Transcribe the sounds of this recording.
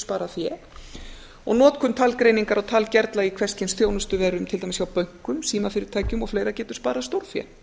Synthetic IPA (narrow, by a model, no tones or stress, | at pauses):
spaːɾafjɛː | ɔ̰ɣnɔːt̪kʰʏnt̪ʰaːlkɾeːjniŋkaɾawt̪ʰaːlcɛɾt̪laikʰvɛr̥scɪnsθjownʏst̪ʏvɛːɾʏmt̪ʰɪlt̪ajmsçawpœɥŋ̥kʏmsiːmafɪɾɪɾt̪ʰaːjcʏmɔɣfleːjɾacɛːt̪ʏ̥spaːɾast̪owɾ̥fjɛ̰